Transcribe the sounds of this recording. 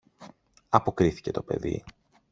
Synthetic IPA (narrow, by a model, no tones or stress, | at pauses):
ɐpo̞kɾiθi̥ce̞t̪o̞pe̞̰ðḭ